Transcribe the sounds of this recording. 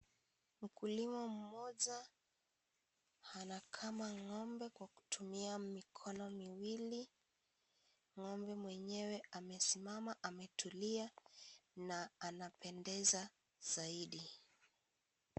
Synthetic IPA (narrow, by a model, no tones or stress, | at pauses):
m̩kulimɔm̩mɔʄa | hanakʰamaŋɔmbɛkwaku̥tʰumiamikʰɔnɔmiwili | ŋɔmbɛmwɛɲɛwɛamɛsimamaʔamɛtʰulia | naːnapʰɛndɛza | z̥aiɗi